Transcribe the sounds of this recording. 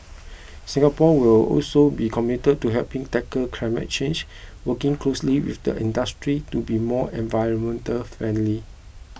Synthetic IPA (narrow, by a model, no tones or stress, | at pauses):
sĩŋɡapɔwilɔ̰lsobikʰɔmitəd̚tuɦɛlpĩŋtɛkəkʰlaɪmə̰t̚t͡ʃẽnd͡ʒ | wəkɪ̃ŋklosliwḭfdə̰ʔḭ̃ndastɹitubimɔɛ̃nvajɹə̃nmɛ̃ntəlfɹɛ̃nli